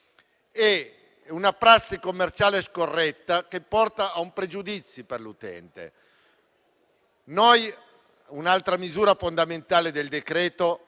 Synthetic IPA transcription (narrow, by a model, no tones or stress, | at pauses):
ɛ | unapɾasːikomːert͡ʃaːleskorːɛt̪ːak̟epːɔrt̪aːumpɾed͡ʒud̪it̪sːjiperlut̪ɛ̰nt̪ḛ | nɔj | unalt̪ɾamizuːɾafond̪ament̪aːled̪eld̪ekɾɛːt̪o